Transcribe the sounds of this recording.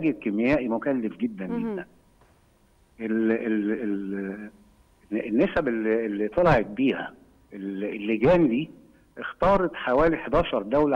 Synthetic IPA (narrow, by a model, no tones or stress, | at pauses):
æɡekemːɪjæːʔimokælːefɡed̪ːænɡed̪ːæn | ʔelelel | nːesæbelːielːit̪ˤɑlɑʕet̪̚biːhæ̰ | ʔelelːeɡæːnd̪iː | ʔext̪ɑːɾˤɑt̪ħawæːliħd̪ɑːʃɑɾˤd̪æwl